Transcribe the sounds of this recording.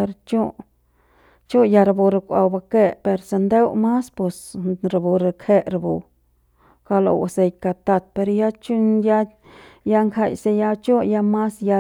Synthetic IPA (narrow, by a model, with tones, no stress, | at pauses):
e˧ɾt͡ʃo˦ | t͡ʃo˦ja˧ɾa˧bo˧ɾe˧kʷa̰˧wba˧ke˦pe˧ɾse˧nd̪e˦wma˦spe˧sɾa˧bu˨ɾe˧kʰe˦ɾa˧bu˨˧ | ka˧lo̰˧wa̰˨se˧jka˧t̪a˧t̪̚pe˧ɾja˦t͡ʃu˦nja˦ | ja˦˧ŋkʰa˧jse˧ja˧t͡ʃo˦ja˧ma˦sja˧